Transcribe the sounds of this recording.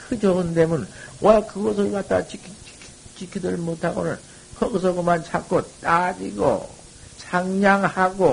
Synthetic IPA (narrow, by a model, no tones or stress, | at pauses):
kʰɯd͡ʑʌɡɯndemunwakɯɡʌs̬ʰɯɭkat̚t͈a̰t͡ɕikʰi̥ | t͡ɕikʰidɯɾɯmotʰaɡo̰nɯ̰n | hʌks̬ʰʌɡomant͡ɕʰak͈ot͈ad͡ʑḭɡo̰ | t͡ɕʰaŋɲaŋhaɡo